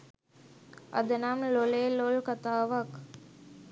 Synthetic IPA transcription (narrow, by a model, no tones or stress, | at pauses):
ɐ̰d̪ənamlolelolkat̪aːʋak